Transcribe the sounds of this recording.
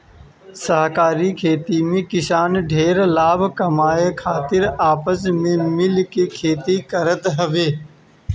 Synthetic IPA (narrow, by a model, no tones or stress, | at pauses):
səɦkaːɾikʰeːt̪imẽːkɪsaːnɖʱeːɾlaːbʱkəmaːekʰaːt̪ɪɾaːpəs̬mẽːmɪlkekʰeːt̪ikəɾət̪ɦəʋeː